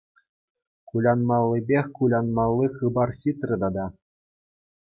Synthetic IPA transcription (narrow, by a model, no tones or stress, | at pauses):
kulʲɑnmɑlʲˠːɤ̆bʲexʲkulʲɑnmɑlˠːixɯbɑrɕit̪rʲɘ̆d̪ɑd̪ɑ